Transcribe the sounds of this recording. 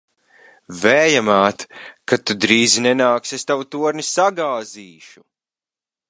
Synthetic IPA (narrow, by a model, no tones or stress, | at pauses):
vɛːjamaːt̪kat̪ud̪ɾiːzinɛnaːksest̪avut̪uɔɾnisaɡaːziːʃu